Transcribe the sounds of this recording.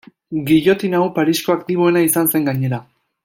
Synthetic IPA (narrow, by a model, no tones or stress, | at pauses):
ɡiʎo̞t̪inawpaɾisko̞akt̪iβ̞o̞e̞naisanse̞ŋɡaɲe̞ɾa